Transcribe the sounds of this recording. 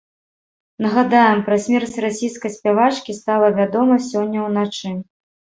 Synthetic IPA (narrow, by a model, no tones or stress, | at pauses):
nɐɣad̪ajɛmpɾɐsʲmʲɛrsʲɾasʲijskɐjsʲpʲavat͡ʂkʲist̪alˠɐvʲad̪ɔmɐsʲɔnʲːɐwnat͡ʂɨ